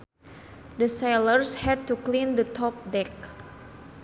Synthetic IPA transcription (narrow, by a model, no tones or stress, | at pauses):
dəselərshɛd̚tuklindət̪ʰɔp̚dɛk̚